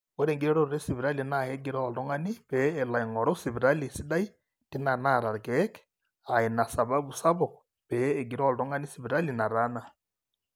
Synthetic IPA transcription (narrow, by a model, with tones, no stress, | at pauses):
wo˦ɾe˨ŋɡi˦ɾɛ˦ɾoɾɾe˦siβi˨ɾa˦linaje˦ɡi˨ɾaoldo˦ŋa˦ni˦βɛː˨la˨iŋɔ˨ɾo˦si˨βiɾa˦li˨si˦ɗa˦i˦ | ti˦na˨naɾa˨ɾɡɛk | a˨i˨na˨sa˨βa˦βu˨sa˦βo˨ | pɛː˨ɡi˨ɾo˨ldo˦ŋa˦ni˦siβi˨ɾa˦lina˨ɾa˦na˦